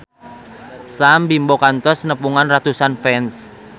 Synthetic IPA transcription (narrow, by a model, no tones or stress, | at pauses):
sambimbokant̪ɔsnəpuŋanrat̪usanfɛns